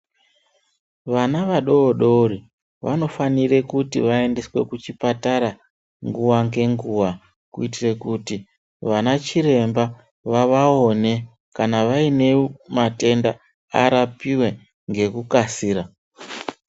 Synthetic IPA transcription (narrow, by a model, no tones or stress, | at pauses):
ʋanaʋaɗo̞ːɗo̞ri | ʋa̰no̞fanire̞kutḭʋae̞nde̞swe̞kut͡ʃipataɾa | ŋɡuwaŋɡe̞ŋɡuwa | kuitire̞kuti | ʋanat͡ʃiɾe̞mba | ʋaʋao̞ne̞ | kanaʋaine̞mate̞nda | a̰ɾapiwe̞ | ŋɡe̞kukasiːɾa